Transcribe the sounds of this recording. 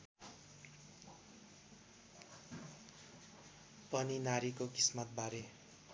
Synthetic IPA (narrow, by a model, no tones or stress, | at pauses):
pʌninaɾikokismat̪̚baɾe